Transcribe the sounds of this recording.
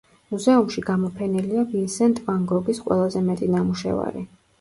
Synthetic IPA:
muzɛumʃiɡamɔpʰɛnɛliavinsɛnt̪ʼvaŋɡɔɡisqʼwɛ̰lˠazɛmɛt̪ʼinamuʃɛ̰va̰ɾḭ

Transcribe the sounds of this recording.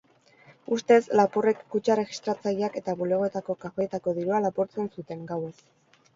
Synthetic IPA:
ust̪e̞slapure̞kːut͡ʃare̞ɣist̪ɾat͡sajiake̞t̪aβule̞ɣ̞o̞et̪ako̞kafe̞t̪ako̞ðiɾualapoɾt͡se̞nsut̪e̞ŋɡawe̞s

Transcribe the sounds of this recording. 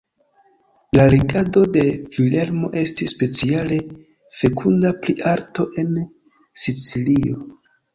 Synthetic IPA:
laliɡado̞de̞v̥ile̞lmo̞̰ʔe̞stisːpe̞t͡siale̞ | fe̞kʰundapliʔaɾto̞ʔe̞n | sit͡silio̞

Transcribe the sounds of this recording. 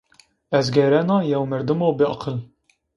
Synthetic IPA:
ɛzɡɛɾɛnɑːjɛwmɛɾd̪moːbɨɑqʰɨl

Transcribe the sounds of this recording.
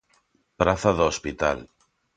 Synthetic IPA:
pɾaθaðospit̪a̰l

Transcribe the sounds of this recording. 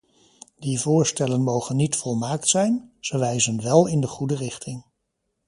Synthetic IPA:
divʊːɹstɛlənmowχənːitfɔlˠmaːktsɛjnz̥əʋɛjzənʋɛlˠɪndəχudərɪχtʰɪŋ

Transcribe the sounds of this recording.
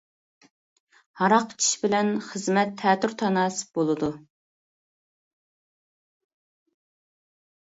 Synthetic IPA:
hɑɾɑqt͡ʃʰi̥ʃbɪlɛnχəzmɛt̪ʰːɛːt̪yɾt̪ʰɑnɑːsɨ̥b̥olˠɨd̪u

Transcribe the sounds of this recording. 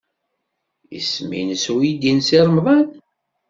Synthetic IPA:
ḭsmḭnəswjid̪insiɾˤmðˤɑn

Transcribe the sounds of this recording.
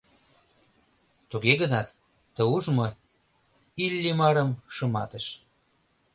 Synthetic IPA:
t̪uɣeɣənɑt̪ː | əuʒmo | ilʲːimɑɾəmʃə̆mɑt̪əʃ

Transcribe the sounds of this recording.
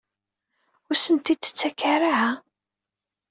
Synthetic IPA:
ʊɾsənt̪id̪ə̥t͡sːækːaraʕa

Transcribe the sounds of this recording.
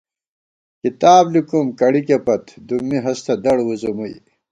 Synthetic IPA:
kit̪aːblikumkɐɽikepɐt̪d̪ummiɦɐst̪ɐd̪ɐɽwuzumuj

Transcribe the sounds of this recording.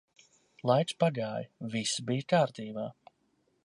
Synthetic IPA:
lˠajt̪spaɡaːjvisibijkaːɾt̪iːbaː

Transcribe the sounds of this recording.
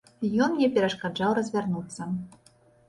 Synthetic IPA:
jɔnnʲɛpʲɛɾɐʂkad͡ʐawɾɐzʲvʲarnut̪sːɐ

